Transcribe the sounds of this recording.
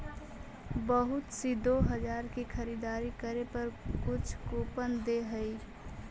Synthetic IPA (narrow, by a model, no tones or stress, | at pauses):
bəɦʊt̪sid̪oɦəd͡ʒaːɾkikʰəɾid̪aːɾikəɾepəɾkʊt͡ʃʰkopənd̪eɦəi